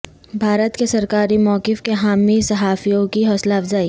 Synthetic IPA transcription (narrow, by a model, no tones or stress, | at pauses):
bʱaːɾət̪kesɐɾkaːɾimɔːkɪfkeɦaːmisɐɦaːfijõkiɦɔːslaɐfzaːi